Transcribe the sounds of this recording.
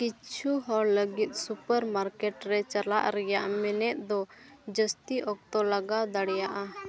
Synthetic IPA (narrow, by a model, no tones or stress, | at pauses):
kit͡ʃʰuɦɔɽləɡit̪̚ˀsupəɾmaɾkɛʈɾɛt͡ʃala̰ʔɾɛjaʔmɛnɛt̪̚ˀd̪ɔd͡ʒəst̪iʔɔk̚t̪ɔlaɡad̪aɽjaʔa